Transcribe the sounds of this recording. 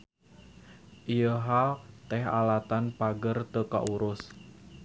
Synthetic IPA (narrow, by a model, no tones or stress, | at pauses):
ʔijəɦalt̪ɛɦa̰lat̪anpaɡərt̪əka̰ʔuɾʊs